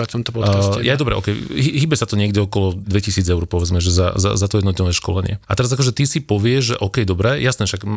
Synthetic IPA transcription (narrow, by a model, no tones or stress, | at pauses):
at̪ɔmt̪ɔpɔksɛjajd̪ɔbɾɛ̰ʔɔ̰kɛjɦiɦiːbɛsat̪ɔɲɪɛɡdɛɔkɔlɔd̪ʋɛcisiːd͡zɛʊɾpɔʋɛd͡zmɛʒɛza̰za̰zat̪ɔjɛd̪nɔt̪nɔʋɛːʃkɔ̰lɛɲɪɛ̰at̪ɛɾazakɔʒɛt̪isipɔʋɪɛʒʒɛʔɔkɛjd̪ɔbɾɛːjasnɛːʃaɡ